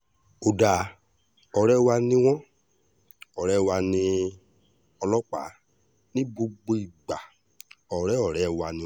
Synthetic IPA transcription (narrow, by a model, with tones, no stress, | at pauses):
o˨da˨˦ | ɔ˨ɾɛ˦˨wa˧nĩ˦w̃ɔ̃˦ | ɔ˨ɾɛ˦˨wa˧nĩ˧ | ɔ˧lɔ˦k͡pa̰˨˦ | nĩ˦bo˧ɡ͡bo˧i˨ɡ͡ba˨ | ɔ˨ɾɛ˦ɔ˨ɾɛ˨˦˨wa˧nĩ˧